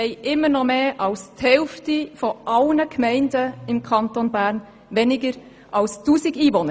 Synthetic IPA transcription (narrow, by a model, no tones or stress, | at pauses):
ɛɪʔɪmːəɾnɔmeːʔɑlsthɛlftifoʔɑlnəkmɛɪndəɪmkʰɑntonbæɾn | venɪɡəɾ | ʔɑlstuːsɪɡiːvonə